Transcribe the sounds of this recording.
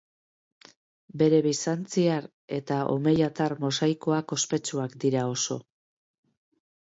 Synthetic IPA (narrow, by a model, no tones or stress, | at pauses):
be̞ɾe̞βisant͡siaɾ | e̞t̪aʔo̞̰me̞jat̪aɾmo̞sajko̞ako̞spe̞t͡ʃuakd̪iɾao̞so̞